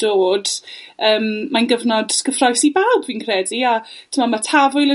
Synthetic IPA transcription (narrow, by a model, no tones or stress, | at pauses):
d̥oːd̥əːmmanɡəvnɔd̥sɡ̥əfrɔjsibawbviːnkʰrɛdiatʰəmamatʰavʊjlˠə